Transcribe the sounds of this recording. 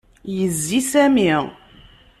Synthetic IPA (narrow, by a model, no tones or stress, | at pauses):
jəzːisæmiʁ